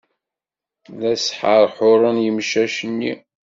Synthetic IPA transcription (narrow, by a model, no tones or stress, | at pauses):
ðæsħəɾˤħʊɾˤənjəmʃæʃənːi